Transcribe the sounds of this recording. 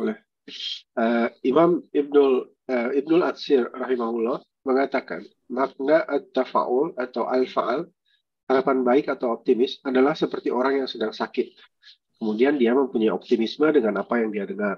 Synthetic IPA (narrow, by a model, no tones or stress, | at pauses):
olɛh | əimamib̚nʊl | əib̚nʊla̰t̪sɪrraɦimahulːɔh | məŋat̪aka̰n | mak̚naʔat̪ːafa̰ʔʊlat̪awʔalfa̰ʔal | haɾapanbaɪkat̪awɔp̚t̪imɪsadalahsəpərt̪iʔoɾaŋjaŋsədaŋsakɪt̪̚ | kəmudiandiaməmpuɲajɔp̚t̪imismədəŋanapajaŋdiadəŋar